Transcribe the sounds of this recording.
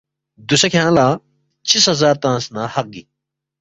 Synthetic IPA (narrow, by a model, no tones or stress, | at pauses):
d̪usɐkʰãːlaː | t͡ɕʰishɐzaːɾt̪ãːsnaːhɐq̚ɡi